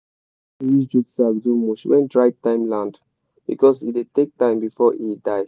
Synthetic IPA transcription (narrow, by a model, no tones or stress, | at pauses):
ðisd͡ʒutsavdumɔt͡ʃwɛ̰̃ndɹaɪtãɪ̃mlãnd | b̥ḭkɔsidetek̚tãɪ̃mbifɔʔidaɪ